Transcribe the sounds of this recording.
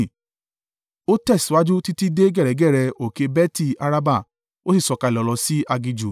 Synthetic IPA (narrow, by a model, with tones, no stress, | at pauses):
o˦tɛ˦˨si˨˦wa˦d͡ʒu˦ti˦ti˦de˦ɡɛ˦˨ɾɛ˨˦ɡɛ˦˨ɾɛ˧o˨ke˧bɛ˦ti˦˨a˧ɾa˧ba˦˨ | o˦si˦˨sɔ˧ka˧i˨lɔ˨˧lɔ˧si˦a˧ɡi˧d͡ʒu˨